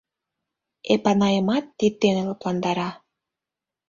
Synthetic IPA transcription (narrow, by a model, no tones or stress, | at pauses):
epɑnɑjəmɑt̪ːit̪ːenelɤplɑnd̪ɑɾɑ